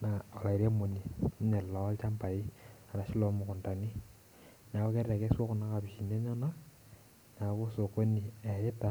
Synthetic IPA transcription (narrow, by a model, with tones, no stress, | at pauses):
na˨ɔ˨la˨i˨ɾe˦mo˨ni˨˦ɲɛ˨llɔ˨˦lt͡ʃa˦mpa˨i˦a˨ɾa˨ʃi˦lɔ˦mʊ˨kʊ˨nta˨ni˦ | na˨ko˦kɛ˦ra˨kɛ˦swɔ˦kʊ˨na˦ka˨pi˨ʃi˨ne˦ɲɔ˦na˦ | na˨ko˦so˨ko˦ni˨ɛ˨ɪ˦ta˦